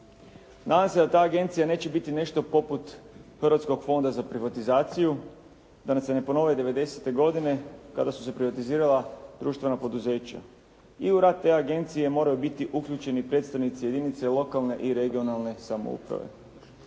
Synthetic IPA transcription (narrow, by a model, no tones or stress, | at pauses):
nʔaːd̪amse̞d̪at̪aːɡe̞nt̪sijane̞ːt͡ɕe̞bit̪ine̞ʃt̪o̞po̞put̪xɾʋat̪sko̞ɡfo̞nd̪azapɾiʋat̪izaːt̪siju | d̪anase̞ne̞po̞no̞ʋajed̪e̞ʋe̞d̪e̞se̞t̪e̞ɡo̞d̪ine̞kad̪asu̥se̞pɾiʋat̪iziːɾalad̪̥ɾuːʃt̪ʋe̞napo̞d̪uze̞ːt͡ɕa̰ | iuɾat̪̚t̪ːe̞aɡe̞nt̪sije̞mo̞ːɾajubit̪iʔukʎuːt͡ɕe̞nipɾe̞ːt̪st̪aʋnit̪sije̞d̪init̪se̞lo̞kalˠne̞ʔiɾe̞ɡio̞nalˠne̞samo̰ṵpɾa̰ʋḛ